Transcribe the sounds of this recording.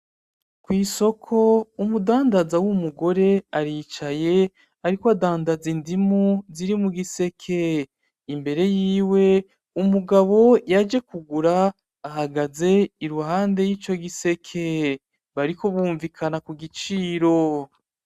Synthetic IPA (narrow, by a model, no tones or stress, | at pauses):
kwiːso̞kʰo̞umudaːndazawumuɡo̞ɾe̞aɾiːt͡ʃaje̞ | aɾikoadaːndazindimuziɾimuɡise̞kʰe̞ | imbe̞ɾe̞jiːwe̞ | umuɡaβo̞jad͡ʒe̞kuɡuɾaː | haɡaze̞iɾuɦaːnde̞jiːt͡ʃo̞ɡise̞kʰe̞ | βaɾiko̞βuːɱvikʰanakuɡit͡ʃiːɾo̞